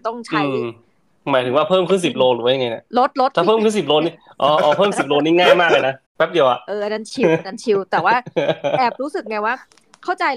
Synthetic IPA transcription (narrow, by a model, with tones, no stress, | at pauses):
t̪ɔ˥˩ŋt͡ɕʰa˦˥˧ | maː˨˦jt̪ʰɯ˩˦waː˥˩pʰɤː˥˩mkʰɯ˥˩ns̬i˨˩p̚loː˧ɾɯː˨˦waː˥˩ja˨ŋa˧na˧˩lo˦˥t̪̚lo˦˥t̪̚ʰaː˧˩ɤː˥˩mkʰɯ˥˩˨si˨˩p̚loː˧ni˦˥˩ | ʔɔː˧ʔɔː˧˩pʰɤː˥˩msi˨˩p̚loː˧niː˥˩ŋaː˥˩jmaː˥˩k̚la˧jna˦˥ | pʰɛ˦˥p̚di˧ɐwʔa˨˩ʔʔɤː˧ʔa˧na˧nt͡ɕʰi˧na˧˥nt͡ɕʰi˧wt̪ɛː˨˩waː˥˩ʔɛː˨˩p̚ɾuː˦˥sɯ˨˩k̚ŋa˧jwaː˥˩ | kʰa˥˩wt͡ɕa˧j